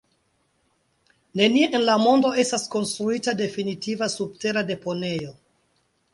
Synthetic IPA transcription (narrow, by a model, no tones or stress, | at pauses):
ne̞nieʔenlamo̞ndo̞e̞stasko̞nstɾuitade̞finitivasub̚teɾade̞po̞ne̞jo̞